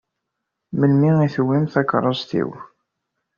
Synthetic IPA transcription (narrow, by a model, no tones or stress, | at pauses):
məlmiiθəwːimθækɾˤəzˤθḭw